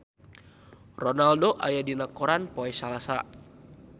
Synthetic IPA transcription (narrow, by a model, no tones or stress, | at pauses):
rɔnaldoʔajadinakoɾanpoɛsalasa̰